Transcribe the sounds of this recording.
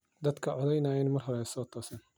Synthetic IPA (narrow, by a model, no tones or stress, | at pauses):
d̪ɐd̪kʰɐʕɔðɛjnɐjɛnmɐrɦɔɾɛsɔːt̪ʰɔːsɐn